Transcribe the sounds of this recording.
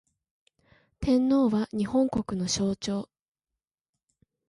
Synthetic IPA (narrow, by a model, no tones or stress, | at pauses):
t̪ʰẽ̞nːo̞ːβaɲ̟ihõ̞ŋko̞kɯ̟no̞ɕo̞ːt͡ɕo̞ː